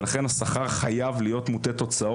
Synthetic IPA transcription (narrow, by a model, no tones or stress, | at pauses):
laχe̞nhasaχaʁχajavlijo̞t̪mut̪e̞t̪o̞t͡sao